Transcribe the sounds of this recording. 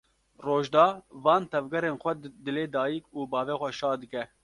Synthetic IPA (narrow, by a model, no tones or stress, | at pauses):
roːʒd̪ɑːvɑːnt̪ʰɛvɡɛɾeːnxʷɛd̪ɨleːd̪ɑːjikuːbɑːvɛːxʷɛʃɑːd̪ɨkɛ